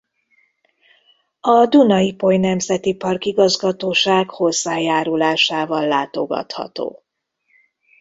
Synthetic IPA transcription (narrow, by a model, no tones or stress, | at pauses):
ɒd̪unɒipo̞jnɛmzɛt̪ipɒrkiɡɒzɡɒt̪oːʃaːɡho̞zːaːjaːɾulaːʃaːvɒlːaːt̪o̞̰ɡɒ̰t̪hɒ̰t̪o̰ː